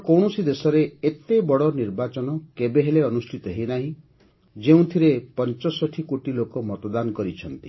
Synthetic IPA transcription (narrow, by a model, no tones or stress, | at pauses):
kɔwɽ̃ɔsid̪esɔɾeːt̪ebɔɽɔniɾbat͡ʃɔnɔkebeɦeleɔnusʈʰit̪ɔɦinaɦĩ | d͡ʒeũt̪ʰiɾepɔnt͡ʃɔsɔʈʰikoʈilokɔmɔt̪ɔd̪anɔkɔɾit͡ʃʰɔnt̪i